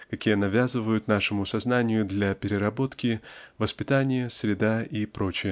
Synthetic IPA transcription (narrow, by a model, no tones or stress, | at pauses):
kɐkʲijənɐvʲazɨvəjʊt̪naʂɨmʊsɐznanʲɪjʊd̪lʲɐpʲɪɾʲɪɾɐbo̞t̪kʲɪvəspʲɪt̪anʲɪjəsɾʲɪd̪aipɾo̞t͡ɕɪjə